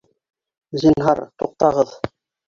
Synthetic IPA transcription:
zinɦɑɾt̪uq̚t̪ɑʁɤð

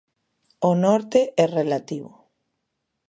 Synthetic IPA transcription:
onɔɾt̪eʔɛrelat̪iβo̰

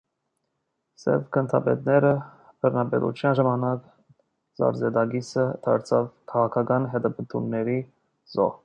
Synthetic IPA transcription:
sɛ̰vkʰənt̪ʰɑ̰bɛ̰t̪nɛɾə | bʰərnɑbɛ̰ɾʔṵt͡ʃʰjɑnʒɑmɑnɑk | zɑ̰ɾzɛd̪ɑɡisət̪ʰɑ̰ɾt͡sʰɑvkʰɑʁɑkʰɑkɑnɦɛd̪ɛbənt̪ʰṵnːɛɾi | zɔ̰

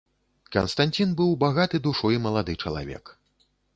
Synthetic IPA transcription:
kɐ̰nst̪anʲt͡sʲinbɨwbaɣat̪ɨd̪uʂɔjimɐlˠad̪ɨt͡ʂɐlˠa̰vʲɛ̰k

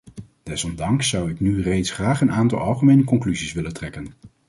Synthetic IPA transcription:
d̥ɛsɔmdɑŋsːʌwɪknyrejtsχraːχənaːntɑ̰lˠɑlˠχəmejnəkɔŋklyzisʋɪləntrɛkən

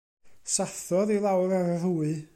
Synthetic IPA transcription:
saθɔðilˠawɾaɾaðuɨ

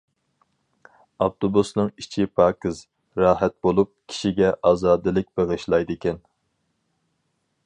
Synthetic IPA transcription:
ɑft̪ʰobusnɨŋit͡ʃʰipʰɑːkɨz | ɾɑːɦɛt̪̚bolˠup̚kʲʰi̥ʃiɡʲɛʔɑːzɑːd̪ɨlˠɪk̚ʲbeʁɨʃlˠɑjd̪ɨkʲɛn

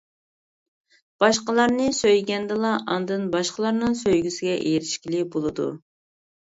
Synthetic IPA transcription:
b̥ɑʃqəlˠɑɾnɨsøjɡʲɛnd̪ɨlˠɑʔɑnd̪ɨnbɑʃqəlˠɑɾnɨŋsøjɡʲysɪɡʲɛʔejɾɪʃkʲilɪbolˠɨd̪ṵ

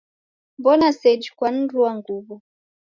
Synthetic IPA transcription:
mbɔnasɛd͡ʒkwan̩duwaŋɡuβɔ

